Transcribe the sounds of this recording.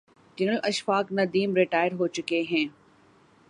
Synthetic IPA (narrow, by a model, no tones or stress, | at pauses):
d͡ʒɐnəlɐʃfaːknɐd̪iːmɾɪʈaːɪɾɦoːt͡ʃʊkeɦɛ̃ː